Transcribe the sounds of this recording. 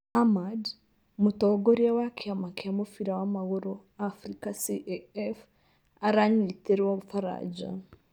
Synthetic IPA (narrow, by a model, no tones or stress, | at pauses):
amad | mutoːɡoɾiawakʰiamakiamofiɾawamaɣoɾo | afɾikasiʔeɛf | aɾaɲiteɾwoβufaɾa̰d͡ʒa̰